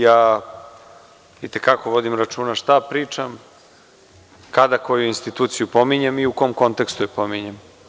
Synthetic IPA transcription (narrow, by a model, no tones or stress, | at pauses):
jaː | it̪e̞kako̞ʋo̞d̪imɾat͡ʃuːnaʃt̪apɾiːt͡ʂam | kad̪ako̞juinst̪it̪uːt̪sijupo̞miɲemiukoːmko̞nt̪e̞kst̪ujepo̞miɲem